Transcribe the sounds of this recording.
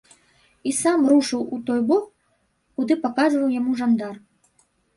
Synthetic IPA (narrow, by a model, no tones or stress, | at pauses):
isamruʂɨwut̪ɔjbɔk | kud̪ɨpakazvɐwjamuʐand̪ar